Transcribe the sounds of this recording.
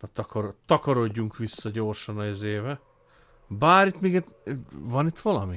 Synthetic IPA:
ɒt̪ɒkɔɾot̪ɒkɒɾo̞ɟːuŋkʋisːɒɟoːrʃɒnɒezeːvɛ | baːɾit̪miːɡɛt̪vɒnit̪ʋɒlɒmi

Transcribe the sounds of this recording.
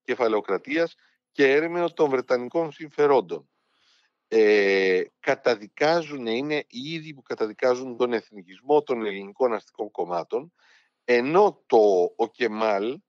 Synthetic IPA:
ce̞fɐle̞o̞kɾɐt̪iɐs | ce̞eɾemeot̪o̞ɱvɾe̞t̪ɐniko̞nsiɱfe̞ɾo̞nd̪o̞n | e | kɐt̪ɐðikɐzuneine̞iiðipukɐt̪ɐðikɐzunt̪o̞ne̞θnicizmo̞t̪o̞ne̞liniko̞nɐst̪i̥ko̞ŋko̞mɐt̪o̞n | e̞no̞t̪oːce̞mɐl

